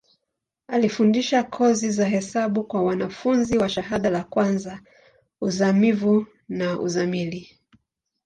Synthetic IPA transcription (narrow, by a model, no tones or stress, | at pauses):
alifundiʃakʰɔzizaɦɛsaɓukwawanafunziwaʃaɦaɗalakwanza | uzamivu | naʔṵzamili